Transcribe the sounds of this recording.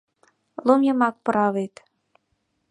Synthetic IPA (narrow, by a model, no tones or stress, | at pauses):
lˠumjɤmɑk̚pɤ̆ɾɑβet̪